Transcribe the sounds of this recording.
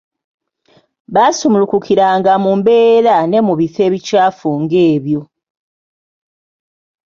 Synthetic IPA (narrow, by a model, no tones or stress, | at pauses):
βasumulukukʰiɾaːŋɡamumbe̞ːɾane̞muβife̞ːβicaːfuːŋɡe̞ːβjo̞